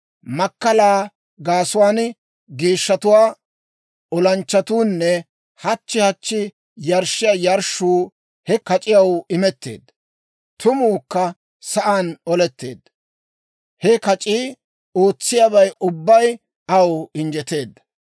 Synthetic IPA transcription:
mɐkːɐlaː | ɡaːsʊwaːn | ɡiːʃːɐt̪ʊwaː | ɔlɐnt͡ʃːɐt̪uːnːɛ | hɐt͡ʃːɪhɐt͡ʃːɪ | jɐɾʃɪjɐjɐɾʃuː | hɛkɐt͡ʃʼɪjɐwɪmɛt̪ːḛːd̪ːɐ | t̪ʊmuːkːɐ | sɐʔaːnɔlɛt̪ːe̞̰ːd̪ːɐ | hɛkɐt͡ʃʼiː | o̞ːt͡sːɪjɐbɐjʔʊbːɐj | ɐwɪnd͡ʒɛt̪e̞ːd̪ːɐ̥

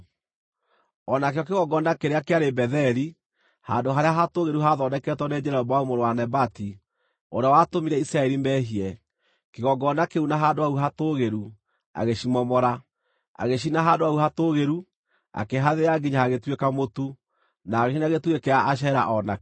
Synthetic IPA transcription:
ɔnakeɔkeɣɔɡɔndakeɾeakeaɾebɛðɛɾi | handoɦaɾeaɦatoɣeɾuɦaðɔdɛkɛtwɔnɛd͡ʒɛɾɔɔbaumoɾowanɛbati | oɾeawatomiɾɛisɾaɛɾimbɛɦiɛ | keɣɔɡɔndakeunaɦandoauɦatoɣeɾu | a̰ɣeɕimɔmɔɾa | a̰ɣeʃ̬inaɦaːndoauɦatoɣeɾu | a̰keɦaðeaɡiɲaaɣetwekamotu | naːɣeʃinaɣetwekɛaʔaʃ̬ɛɾa̰ʔɔna

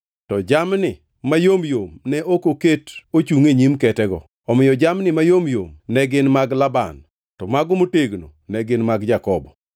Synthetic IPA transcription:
tɔd͡ʒamnɪ | majomjomnɛʔokoketot͡ʃuŋeɲimkɛtɛɡɔ̰ | ɔmɪjɔd͡ʒamnɪmajomjo̰mnɛɡɪnmaɡlaba̰n | tɔmaɡomoteɡno̰nɛɡɪnmaɡd͡ʒakɔbɔ

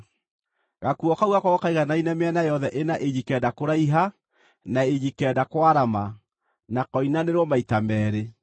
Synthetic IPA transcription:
ɣakuɔkauɣakwaɣɔkaiɣanainɛmeɛnajɔðɛʔenaʔeɲikɛdakoɾaiɦa | naeɲikɛdakwaɾama | nakɔinaneɾwɔmaitamɛːɾe

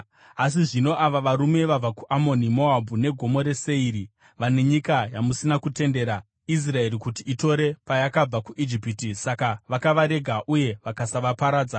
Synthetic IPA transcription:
as̬iʐino̞ʔaʋaʋaɾume̞ʋab͡vakuʔamo̞nimo̞abʱune̞ɡʱo̞mo̞ɾe̞se̞iɾi | ʋane̞ɲikajamusinakute̞nde̞ɾa | is̬rae̞ɾikutiito̞ɾe̞pajakab͡vakuʔid͡ʒipitisakaʋakaʋaɾe̞ɡʱaʔuje̞ʋakasaʋapaɾaːd͡za

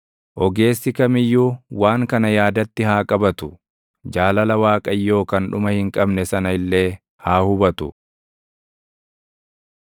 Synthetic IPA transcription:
ʔɔɡe̞ːsːɪkɐmɪjːuːwaːŋkɐnɐjaːd̪ɐt̪ːɪhaːkʼɐbɐt̪ʊ | d͡ʒaːlɐlɐwaːkʼɐjːo̞ːkɐnᶑʊmɐhɪŋkʼɐbnɛsɐnɐɪlːe̞ː | haːhʊbɐt̪ʊ

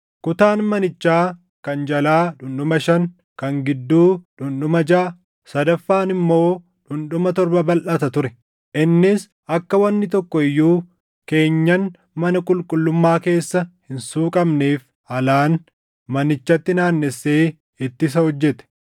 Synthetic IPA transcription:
kʊt̪aːnmɐnɪt͡ʃːaː | kɐnd͡ʒɐlaːᶑʊnɗʊmɐʃɐn | kɐŋɡɪd̪ːuːᶑʊnɗʊmɐd͡ʒaː | sɐd̪ɐfːaːnɪmːo̞ː | ᶑʊnᶑʊmɐt̪ɔɾbɐbɐlʔɐt̪ɐt̪ʊɾɛ | ʔɪnːɪs | ʔɐkːɐwɐnːɪt̪ɔkːɔɪjːuː | ke̞ːɲːɐn | mɐnɐkʼʊlkʼʊlːʊmːaːke̞ːsːɐhɪnsuːkʼɐbneːf | ɐlaːn | mɐnɪt͡ʃːɐt̪ːɪnaːnːɛsːeː | ɪt̪ːɪs̬ɐhɔd͡ʒːɛt̪ɛ̥

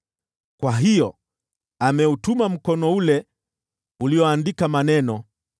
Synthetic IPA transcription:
kwaɦijɔ | amɛutumam̩kɔnɔulɛ | ulijɔandikamanɛnɔ

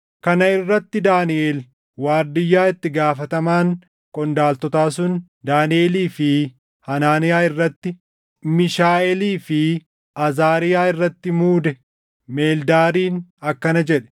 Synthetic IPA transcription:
kɐnɐɪrːɐt̪ːɪd̪aːnɪʔeːl | waːɾd̪ɪjːaːɪt̪ːɪɡaːfɐt̪ɐmaːŋ | kʼɔnd̪aːlt̪ɔt̪aːsʊn | d̪aːnɪʔeːliːfɪ | hɐnaːnɪjaːɪrːɐt̪ːɪ | mɪʃaːʔɛliːfɪ | ʔɐzaːɾɪjaːɪrːɐt̪ːɪmuːd̪ɛ | me̞ːld̪aːɾiːnɐkːɐnɐd͡ʒɛᶑɛ̥

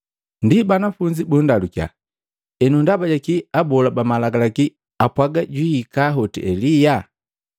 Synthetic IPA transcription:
ndibanafuɲd͡ʒibundalukja̰ | ɛnundabaɟakiabɔlabamalaɡalaki | apwaɡaɟwiːkaɦɔtḭʔɛlija

